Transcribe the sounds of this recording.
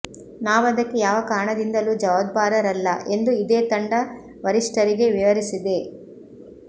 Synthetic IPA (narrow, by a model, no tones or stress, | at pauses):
naːʋɐd̪ɐkːejaːʋɐkaːɾɳɐd̪ind̪ɐluːd͡ʒɐʋɐd̪̚baːɾɐɾɐlːɐʔe̞nd̪uid̪eːt̪ɐɳɖɐ | ʋɐɾiʂʈɐɾiɡe̞ʋiʋɐɾisid̪e